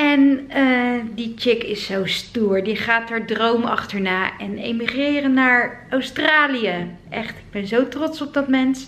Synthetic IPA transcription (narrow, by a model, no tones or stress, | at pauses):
ɛnəːdit͡ʃɪkɪsːowstuːɹdiχaːtaːɹdrowmɑ̰χtəɹnaːʔɛnḛjmiχrɪːrənːaːɹɔwstraːlijəʔɛχtɪɡ̚bɛnzowtrɔtsɔb̚dɑtmɛns